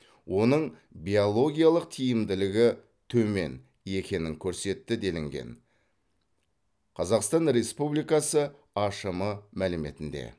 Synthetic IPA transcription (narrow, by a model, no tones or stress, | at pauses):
wʔo̞nəɴ | bʲiolˠo̞ɡʲijalˠəq̚t̪ʰijɪmd̪ɪlɪɡʲɪ | t̪ʰɵme̞̰n | e̞kʲe̞nɪŋkʲʰɵɾse̞t̪ːɪd̪e̞lɪŋɡʲe̞̰n | qʰɑzɑqst̪ɑnɾe̞spublijkɑsə | ɑʃəməmælɪme̞̰t̪ɪnd̪e̞̰